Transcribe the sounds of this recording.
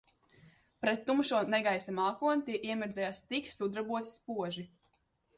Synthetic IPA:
pɾɛt̪ːumʃuɔnɛɡajsamaːkuɔnt̪iɛʔiɛmiɾd̪zʲɛjaːst̪ik̪sud̪ɾabuɔt̪i̥spuɔʒi

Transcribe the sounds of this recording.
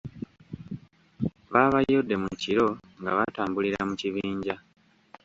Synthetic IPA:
βaːβajjo̞dːe̞muciɾo̞ŋɡa̰βataːmbuliɾamuciβiːɲɟa

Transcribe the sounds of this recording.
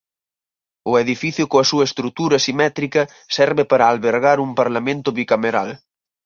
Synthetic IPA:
ʊeðifiθjʊkoɐsuɐest̪ɾut̪uɾɐsimɛt̪ɾikɐ | sɛɾβepaɾaːlβeɾɣ̞aɾumpaɾlamẽnt̪ʊβikameɾa̰l

